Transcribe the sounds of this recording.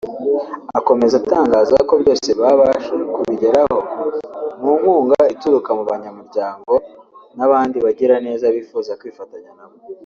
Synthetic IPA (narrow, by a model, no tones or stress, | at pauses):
ako̞me̞zataːŋɡaːzako̞bɟo̞ːse̞βaβaʃekuβiɟe̞ɾaho̞ | muːmuːŋɡaituɾukamuβaɲamuɾɟaːŋɡo̞naβaːndiβaɟiɾane̞ːzaβiːfuːzakwiːfataɲanamo